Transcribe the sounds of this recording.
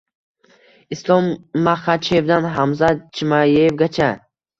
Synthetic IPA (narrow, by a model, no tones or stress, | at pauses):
islɔmːaχat͡ʃʰevd̪anɦamzat͡ʃʰimajeevɡat͡ʃʰa